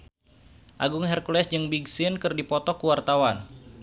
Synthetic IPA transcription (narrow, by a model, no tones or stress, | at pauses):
ʔaɡuŋɦɛrkulɛsd͡ʒɨŋbiɡsɪnkərdipɔt̪ɔkuwart̪awan